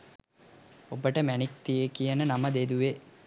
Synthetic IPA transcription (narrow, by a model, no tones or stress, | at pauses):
obəʈəmænik̚t̪ijekijənənaməd̪ed̪uʋe